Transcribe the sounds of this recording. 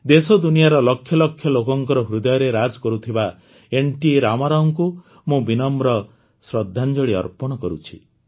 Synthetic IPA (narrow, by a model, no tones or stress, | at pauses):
d̪esɔd̪unijaɾɔlɔkʰːjɔlɔkʰjɔlokɔŋkɔɾɔɦɾud̪ɔjɔɾeɾad͡ʒkɔɾut̪ʰiba | eɳʈiɾamaɾɔŋku | mũbinɔmɾɔ | sɾɔd̪ʱːand͡ʒɔɭiɔ̰ɾpɔɽ̃ɔkɔɾut͡ʃʰi